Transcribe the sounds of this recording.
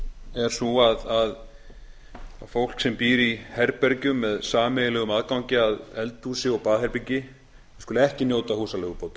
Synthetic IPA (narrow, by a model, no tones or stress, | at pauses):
ɛɾ̥suaðað | afowl̥ksɛmpiːɾihɛɾpɛɾcʏmːɛðsaːmɛjɪlɛɣʏmaːðkawɲcɪaðɛlt̪usɪɔpaːðhɛɾpiɲcɪ | ɪ̥kʏlɛhcɪnjoːwt̪ahuːsalɛɣʏpowt̪ḁ